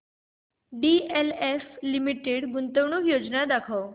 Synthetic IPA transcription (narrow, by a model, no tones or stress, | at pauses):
ɖieleflimiʈeɽɡunt̪əʋɳ̃uːkjod͡znad̪akʰaw